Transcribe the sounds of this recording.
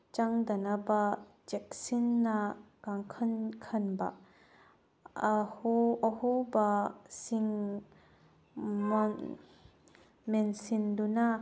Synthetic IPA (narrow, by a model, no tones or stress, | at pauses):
t͡ʃaŋd̪ɐnaba | d͡ʒɛk̚sinːakaŋkʰɐnkʰɐnba̰ | huɐhubasiŋ | mn | mensinduna